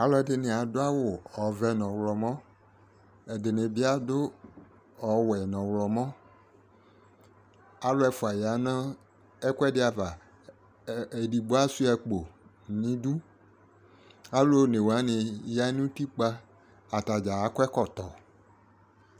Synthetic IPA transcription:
a˨˦lɔ˦ɛ˨dɪ˨nɪ̃˨a˨dʊ˦a˦wʊ˨ɔ˨vɛ˨nɔ̃˨wlɔ˨mɔ̃˦ | ɛ˨dɪ˨nɪ̃˨bɪ˦a˦dʊ˦ | ɔ˨wɛ˨nɔ̃˨wlɔ˨mɔ̃˦ | a˦lo˦ɛ˨fʊ˨a˨ja˨nã˦ | ɛ˦kʷɛ˦dɪ˦a˨va˨ | e˨di˨ɡ͡bo˦a˦su˦ɛ˨k͡po˨ | nĩ˨˦du˦ | a˦lo˦ne˨wa˦nɪ̃˨ja˦nũ˦t̪i˦k͡pa˦ | a˨t̪a˨d͡ʒa˨a˨˦kɛ˦kɔ˨t̪ɔ˨

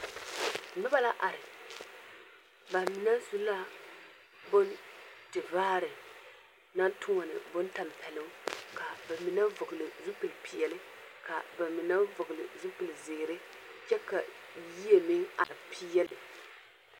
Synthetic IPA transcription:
nɨ˦ba˦la˦ʔa˨ɾɨ˨ | ba˨mɪ˨na˦su˦la˦ | bo˦ntɨ˨vaː˦ɾɨ˨ | na˦tʊ˦ŋa˨nɨ̰˨bʊ˦nta˨m˨pɛ˨lɨ˦ka˨ba˨mɪ˨na˦vʊ˨ɡɨ˨lɨ˨zu˦pɨ˨lpi˨jɛ˨lɨ˦ | ka˨ba˨mɪ˨na˦vʊ˨ɡɨ˨lɨ̰˨zu˦pɨ˨lzɪ˨ɾɨ˦ | t͡ʃɛ˦ka˨ | ji˦e˦mɪ˦ŋa̰˨ɾɨ˨pi˦ɛ˦lɨ˨

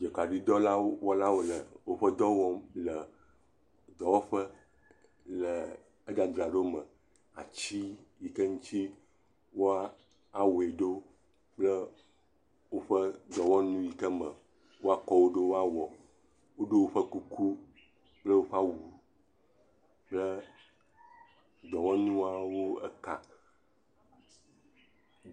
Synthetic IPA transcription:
d͡ʒɛ˨ka˨ɖi˦d̪ɔ˦la˦o˦wɔ˦la˦wo˦lə˨wo˦ɸə˦d̪ɔ˦wɔ˦lə˨ | d̪ɔ˨wɔ˦ɸə˦ | lə˨ | ə˦da˨d̪ɾa˨ɖo˦mə̃˨ | a̰˨t͡ɕi˦ji˨kə˦ŋũ˦t̪i˦ | wo˦a˦ | a˨wo˨e˨ɖo˦ | k͡plə˦ | wo˦ɸə˦d̪ɔ˨wɔ̃˦nũ˦ji˨kə˦mə̃˨ | wo˦a˦kɔ˨wo˦ɖo˦wo˦a˦wɔ˨ | wo˦ɖo˦wo˦ɸə˦ku˦ku˦ | blə˦wo˦ɸa˦wu˨ | blə˦ | d͡ʒɔ˨wɔ̃˦nũ˦a˦wo˦ɛ̰˦ka˨

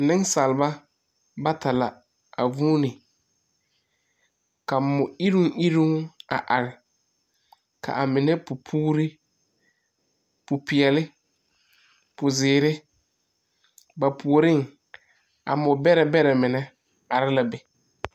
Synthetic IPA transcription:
nɪ˦ŋsa˨lɪ˨ba˦ | ba˦ta˨la˨ | a̰˨vuː˦nɪ˨ | ka˨mʊ˨i˦ɾu˦ŋʔi˦ɾu˦ŋa̰˨ʔa˨ɾɪ˨ | kʰa̰˨ʔa˨mɪ˨nɛ˦pʊ˨pʰuː˦ɾɪ˦ | pʊ˨pɪ˨ɛ˨lɪ˦ | pʊ˨zɪː˨ɾɪ˦ | ba˨pʰu˨o˨ɾɪ˦ŋ | a̰˨mʊ˨bɛ˦ɾɛ˨bɛ˦ɾɛ˨mɪ˨nɛ˦ | a˨ɾɪ˦la˨bɛ˨

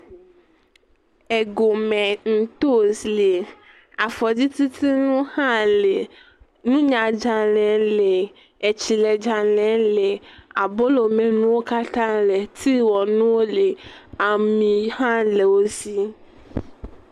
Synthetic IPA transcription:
e˨ɡo˨mɛ̃˨ŋ̩̃˨t̪o˦sle˨ | a˨fɔ˨di˦t̪i˦t̪i˦nũ˦hã˦le˨ | nũ˦ɲã˨d͡ʒa˨lɛ̃˨˦le˨ | e˨t͡ɕi˨le˨d͡ʒa˨lɛ̃˨˦le˨a˨bo˦lo˨mẽ˨nũ˦wo˦ka˦t̪ã˦le˨t̪ʰi˦wɔ˨nũ˦wo˦le˨a˨mĩ˨hã˦le˨wo˦si˦

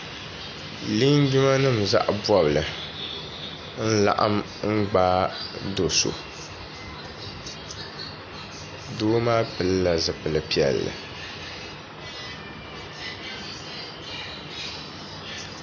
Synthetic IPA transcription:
li˦ɲ˦ɡu˦ma˦nɨ˦˨mza̰˦ʔbɔ˦bɨ˨lɨ˨ | n̩˦la̰˨ʔa̰˦m | ŋ͡m̩˦ɡ͡baː˦do˨so̰˨ | doː˦maː˦pɨ˨lla˨zɨ˨pɨ˨lɨ˨pi˨ɛ̰˨lːɨ̰˨

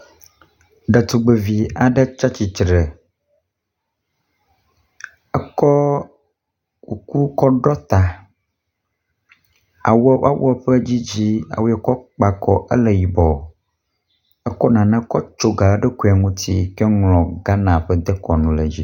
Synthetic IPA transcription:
ɖɛ˨t̪u˨ɡ͡be˨vi˨a˨ɖɛ˦t͡ʃa˦t͡ɕi˨t͡ʃɾe˨ | ɛ˦kɔ˦ | ku˨ku˦kɔ˦ɖɔ˦t̪a˨ | a̰˨wɛ˦ʔa̰˦wʔɔ˦˨ɸə˦d͡ʑi˦d͡ʑi˦a̰˨wo˦ɛ˦kɔ˦k͡pa˨kɔ˨ʔə˦lɛ˨ji˨bɔ˨ | ɛ˦kɔ˦nã˨nã˦kɔ˦t͡ʃo˦ɡa˨˦ɖɛ˦ku˦˨a˨ŋũ˦t̪i˦kɛ˦ŋlɔ̃˨ɡa˦nã˨ɸɛ˦d̪ɛ˦kɔ˨nũ˨lɛ˨d͡ʑi˦

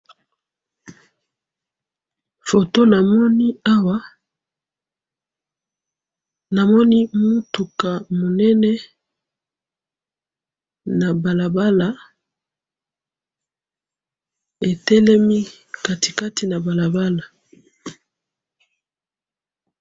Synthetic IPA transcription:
fo˨to˦na˨mɔ˦ni˦a˦wa˦ | na˨mɔ˦ni˦mu˦tu˨ka˨mo˨nɛ˦nɛ˦ | na˨ba˨la˨ba˦la˨˦ | e˨tɛ˦lɛ˦mi˦ | ka˨ti̥˨ka˦ti˨na˨ba˨la˨ba˦la˨

